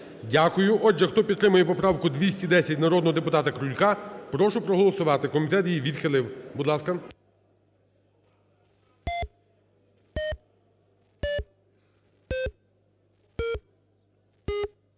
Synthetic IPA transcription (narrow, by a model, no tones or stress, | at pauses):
dʲakʊjʊʔɔd͡ʒɛxt̪ɔpʲit̪t̪ɾɪmʊjɛpɔpɾɑwkʊd̪ʲʋʲisʲtʲid̪ɛsʲɐtʲnɐɾɔd̪nɔɦɔd̪epʊt̪ɑt̪ɐkɾʊlʲkɑpɾɔʃʊpɾɔɦɔlˠɔsʊʋɑt̪ɪkɔmʲit̪ɛt̪jiʋʲid̪xɪlˠɪwbʊd̪lˠɑskɐ